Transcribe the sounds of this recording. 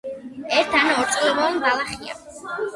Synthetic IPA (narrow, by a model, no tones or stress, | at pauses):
ɛɾt̪ʰanaɔɾt̪sʼlɛmɔɛnbalˠaχia̰